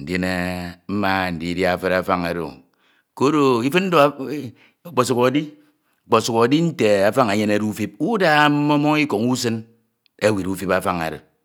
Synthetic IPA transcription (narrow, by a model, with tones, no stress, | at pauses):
n̩˨de˦ne˨m̩˦ma˦˨n̩˨di˦dja˦a˨fe˦ɾa˦fa˦ŋa˨ɾo̰˨ | ko˦ɾo˨i˦fɨ˦n̩˦do˦ | o˨k͡po˨s̬u˨ko˨˦di˦ | o˨k͡po˨su˨ko˨di˦n̩˦te˨a˨fa˦ŋa˨ɲe˦ne˦ɾu˦fi˦p̚u˦da˦m̩˦mo˦mɔ˦ŋi˦ko˨ŋu˦s̬ɨ˦n | e˦wi˨ɾu˦fi˦pa˦fa˦ŋa̰˨ɾḛ˨